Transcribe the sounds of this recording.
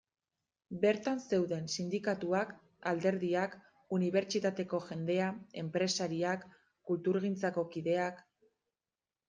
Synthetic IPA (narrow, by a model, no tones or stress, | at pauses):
be̞ɾt̪anse̞wðe̞nsind̪ikat̪uak | ald̪e̞ɾðiak | uniβ̞e̞ɾt͡ʃit̪at̪e̞ko̞ʝe̞nd̪e̞ae̞mpɾe̞saɾiakː | ult̪uɾɣint͡sako̞kiðe̞ak